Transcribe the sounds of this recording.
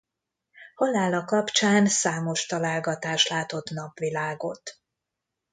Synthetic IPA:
holːaːlɒkɒpt͡ʃaːnsaːmo̞ʃt̪ɒlaːlɡɒt̪aːʃlaːt̪o̞t̪nɒpʋilaːɡo̞̰t̪

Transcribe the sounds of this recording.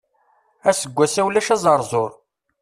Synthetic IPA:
æsəɡʷːæsæwlæʃæzˤɑɾˤzˤoɾˤ

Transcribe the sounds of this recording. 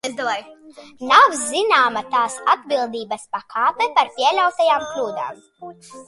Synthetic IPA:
ezd̪avajnawzzinaːmat̪aːsad̪̚bilˠd̪iːbɐspakʰaːpɛpaɾpʲiɛlʲawt̪ajaːmklʲuːd̪a̰ːm

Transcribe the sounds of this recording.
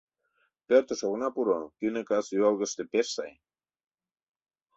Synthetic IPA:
peɾt̪oʃoɣnapuɾokynekasalɣəst̪epessa̰j

